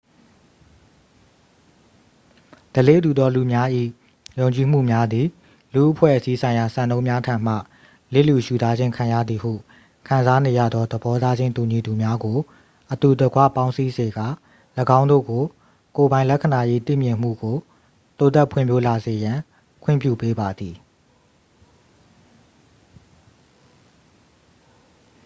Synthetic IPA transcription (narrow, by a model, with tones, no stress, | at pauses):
d̥əlḛ˦˨tu˨d̪ɔ˦lu˨mja˦ʔḭ˦˨ | jõ˨ʊ̃ɲt͡ɕi˨m̥ṵ˦˨mja˦d̪i˨ | lṵ˦˨ʔəpʰwɛ̰˦ʔəsi˦sʰã˨ɪ̃ja˨sã˨nõ˦ʊ̃mja˦tʰã˨m̥a̰˦˨ | lḛ˦˨lu˨ʃu˨za˦d͡ʑɪ̃˦ŋkʰã˨jä̰˦˨d̪ði˨hṵ˦˨ | kʰã˨nza˦ne˨jä̰˦˨d̪ðɔ˦d̪əbɔ˦ta˦d͡ʑɪ̃˦nt̪u˨ɲi˨d̪u˨mja˦ɡo˨ | ʔət̪u˨də˨ɡwa̰˦˨pã˦ʊ̃si˦ze˨ɡa̰˦˨ | ləɡã˦ndo̰˦˨ɡo˨ | ko˨bã˨ɪ̃lɛ˦kʰə˨na˨je˦t̪ḭ˦˨mjɪ̃˨m̥ṵ˦˨ɡo˨ | t̪o˦t̪ɛ˦˨pʰwɪ̰̃˦˨mpjo˦la˨ze˨jã˨ | kʰwɪ̰̃˦˨mpjṵ˦˨pe˦ba˨d̪ði˨